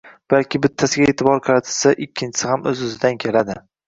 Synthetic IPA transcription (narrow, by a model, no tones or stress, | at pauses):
b̥alkʲɪbɪt̪ʰːasɪɡʲaeːt̪ʰɪbɒɾqʰɑɾat̪ʰɪlsaʔɪkʲʰːɪnt͡ʃʰɪ̥sɪhamɵzʊzɪd̪ankʲʰe̞lad̪ɪ